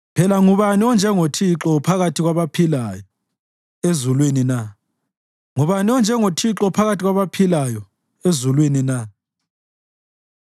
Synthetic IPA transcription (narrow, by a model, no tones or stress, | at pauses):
pʰɛlaŋuβaniɔnd͡ʒʱɛŋotʰiǁɔpʰaɣatʰiɣwaβapʰilajɔ | ezulwinina | ŋuβaniɔnd͡ʒʱɛŋotʰiǁɔpʰaɣatʰʼiɣwaβapʰilajɔ | ezulwinina